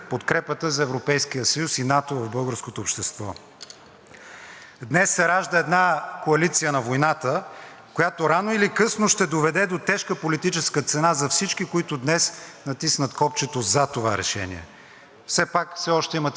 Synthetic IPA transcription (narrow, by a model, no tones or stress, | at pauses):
pot̪kɾɛpət̪əzɐɛvɾopɛjsk̟ijəsəjusinat̪ovɐvbɤlˠɡəɾskot̪oːpʃt̪ɛst̪vɔ | d̪nɛsːɛɾaʒd̪əɛd̪nakoɐlit̪sijənɐvojnat̪ə | kojat̪oɾanoilikɤsnoʃt̪ɛd̪ovɛd̪ɛd̪ot̪ɛʃkəpolit̪it͡ʃɛskət̪sɛnazɐfsit͡ʃkikoit̪ʊd̪nɛsnɐt̪isnət̪kɔpt͡ʃɛt̪ozɐt̪ovaɾɛ̰ʃɛ̰nḭɛ̰ | fsɛpakfsɛɔʃt̪ɛimət̪